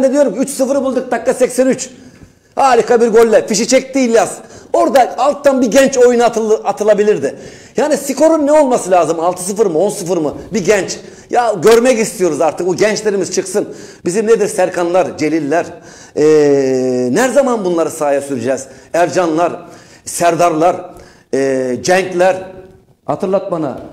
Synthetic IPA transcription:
bɛnd̪ed̪ijo̞ɾumʲyt͡ʃsɯfɯɾɯbulˠd̪uk̚t̪akːasɛcsænyt͡ʃ | haːlʲikʰabiɾɡølʲːɛfiʃit͡ʃʰɛc̚d̪iːlʲjazo̞ɾd̪aalˠt̪ːanbiɟɛnt͡ʃo̞junat̪ʰɯlˠabilʲiɾd̪ɪ | jaːnisiko̞ɾunnɛo̞lˠmasɯlʲaːzɯmalˠt̪ʰɯ̥s̬ɯfɯɾmɯo̞nsɯfɯɾmɯbiɟɛnt͡ʃ | jaɟø̞ɾmɛcist̪ʰijo̞ɾuzaɾt̪ʰɯkuɟɛnt͡ʃlʲe̞ɾimizt͡ʃʰɯksɯn | bizimned̪iɾsæɾkʰanlˠaɾd͡ʒe̞lʲilʲːæɾ | ɛ | næɾzamanbunlˠaɾɯsaːjasyɾyd͡ʒɛːz̥æɾd͡ʒanlˠaɾ | sæɾd̪aɾlˠaɾ | ɛd͡ʒɛɲclʲæɾ | hat̪ʰɯɾlˠat̪̚mana̰

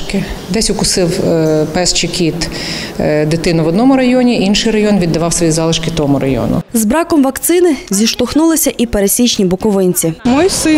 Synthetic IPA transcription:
kɪ | d̪ɛsʲʊkʊsɪwpɛst͡ʃɪkʲit̪ | d̪ɪt̪ɪnʊʋɔd̪nɔmʊɾɐjɔnʲiʔinʃɪjɾɐjɔnʋʲid̪ːɐʋɑwsʋɔjizɑlˠɪʃkɪt̪ɔɦɔmʊɾɐjɔ̰nʊ̰zbɾɑkɔmʋɐkt̪sɪnɪzʲiʃt̪ɔxnulˠɪsʲɐʔipeɾesʲit͡ʃnʲibʊkɔʋɪnʲt͡sʲimɔjsɪ

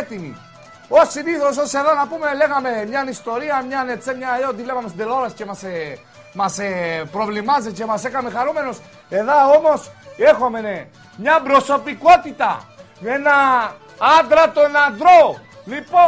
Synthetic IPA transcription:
t̪imḭ | osiniθos̬ose̞ðonɐpume̞le̞ɣɐme̞mɲɐnist̪o̞ɾiɐmɲɐnet͡sːemɲɐeot̪ivlevɐmesid̪eloɾɐsce̞mɐse | mɐsepɾo̞vlimɐzece̞mɐsekaɐmexaɾume̞nos | e̞ðɐo̞mo̞se̞xo̞mene | mɲɐbɾo̞so̞piko̞t̪it̪ɐ̰ | enɐ | ɐnd̪ɾɐt̪oenand̪ɾo̞ | lipo

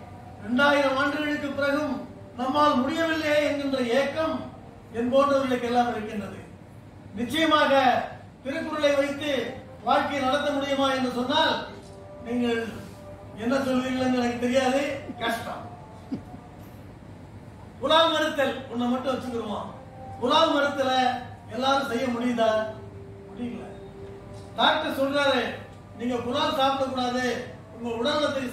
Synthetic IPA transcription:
ɾɛɳɖaːjɪɾɐmaːɳɖɯɣɐɭɯkːɯpːɪɾɐɣɯm | nɐmːaːlmʊɽɪjɐʋɪlːeːɛnɡɪndrɐeːkːɐm | ɛnboːnrɐʋɐɐɭɐkːɛlːaːmɪɾɯkːɪndrɐðɯ̰ | nɪt͡ʃːɐjɐmaːɣɐ | t̪ɪɾɯkːɯɾɐɭɐɪʋɐɪt̪ːɯ | ʋaːɻkɐɪjnɐɽɐt̪ːɐmʊɽɪjɐmaːɛndrɯsɔnːaːl | niːŋɡɐɭ | ɛnːɐsɔlʋiːɾɣɐɭɛŋɡɐɭɐkːɯt̪ːɛɾɪjaːðɯkɐsʈɐ̰m | kʊlaːlmɐɽɯt̪ːɐlʊnːɐmɐʈːɯ̃ʋɐt͡ʃːɯkːɯɾɯma̰ː | kʊlaːlmɐɽɯt̪ːɪlɐ | ɛlːaːɾɯ̃msɛjːɐmʊɽɪjɪnd̪aː | mʊɽɪjɪŋɡɐlɐ̰ | d̪aːk̚ʈɐɾsɔlraːɾɯ | niːŋɡɐɭkʊlaːlsaːpɽɐk̬ːuːɽaːðɯ | ʊŋɡɐɭʊɽɐɾʋɐt̪ːɐ

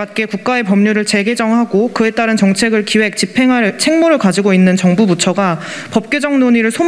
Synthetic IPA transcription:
at̚k͈e̞kuk̚k͈ae̞pʌmɲuɾɯɭt͡ɕe̞ɡe̞d͡ʑʌŋɦaɡokɯe̞t͈aɾɯnt͡ɕʌŋt͡ɕʰe̞ɡɯɭkiwe̞k̚t͡ɕipʰeŋat͡ɕʰe̞ŋmoɾɯɭkad͡ʑiɡoinːɯnt͡ɕʌŋbubut͡ɕʰʌɡa | pʌp̚k͈od͡ʑʌŋnoɲiɾɯɭsʰo

